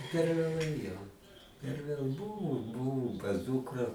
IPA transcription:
pʲɛr ʋʲeːˈlˠɐɪ jɛʊ pʲɛr ˈʋʲeːlˠ ˈbʊʋʊ ˈbʊʋʊm pɐs ˈdʊkrɐ

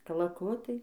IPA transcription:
kɐlˠɐˈkʊtɐɪ

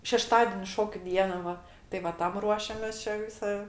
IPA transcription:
ʃʲɛˈʃtɑːdʲɛnʲɪ ˈʃoːkʲʊ ˈdʲiɛnɐ ˈʋɐ tɐɪ ʋɐ ˈtɐm ˈruɔʃʲɛmʲeːs ˈt͡ʃʲɛ ˈʋʲɪsɐ

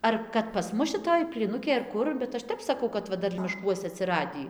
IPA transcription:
ˈɐr kɐt pɐs ˈmʊs ʃʲɪˈtoːj pʲlʲiːˈnʊkʲeːj ɐr ˈkʊr bʲɛt ˈɐʃ ˈtʲɛp sɐˈkɐʊ kɐt ˈʋɐ ˈdɐr mʲɪʃˈkuɔsʲɛ ɐtʲsʲɪˈrɑːdʲiː

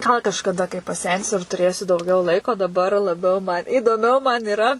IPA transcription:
ɡɐlˠ kɐʃkɐˈdɐ kɐɪ pɐˈsʲɛnʲsʲʊ ɪr tʊˈrʲeːsʲʊ dɐʊˈɡʲɛʊ ˈlˠɐɪkoː dɐˈbɐr lˠɐˈbʲɛʊ mɐn iːdoːˈmʲɛʊ mɐn ɪˈrɐ

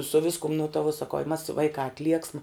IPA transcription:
sʊ ˈʋʲɪskʊm nʊ tɐ ʋuɔ sɐˈkɐʊ ɪ mɐs ˈʋɐɪkɑː ɐtʲˈlʲiɛksmɐ

